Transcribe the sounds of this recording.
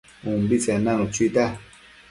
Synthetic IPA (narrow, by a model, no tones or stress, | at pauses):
umbit͡senanut͡ʃit̪a